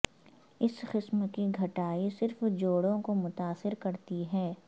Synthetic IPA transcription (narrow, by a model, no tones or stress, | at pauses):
ɪsqɪsmkiɡʱɐʈaːisɪɾfd͡ʒoːɽõkomʊt̪aːsɪɾkɐɾt̪iɦɛː